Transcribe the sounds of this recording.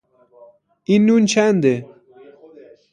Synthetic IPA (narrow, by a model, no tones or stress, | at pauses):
inunt͡ɕʰand̪e